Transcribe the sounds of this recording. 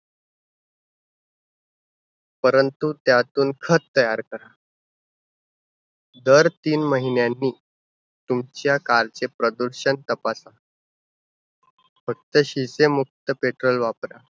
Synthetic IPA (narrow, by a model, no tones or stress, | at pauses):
pəɾənt̪ut̪jat̪uːnkʰətt̪ːəjaɾkəɾa | d̪əɾt̪iːnməɦinjanːiː | t̪umt͡ɕjakaɾt͡sepɾəd̪uɾɕənt̪əpasa | fək̚t̪əɕisemuk̚t̪əpeʈɾolʋapɾa